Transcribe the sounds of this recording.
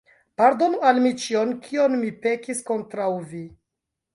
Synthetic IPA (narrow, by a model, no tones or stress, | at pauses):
paɾdo̞nualmit͡ʃionkʰionmipe̞kisko̞ntɾawvi